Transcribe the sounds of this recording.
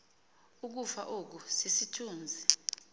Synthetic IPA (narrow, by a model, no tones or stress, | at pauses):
uk̬ufa̰ʔok̬usisitʰuːnd͡zʱi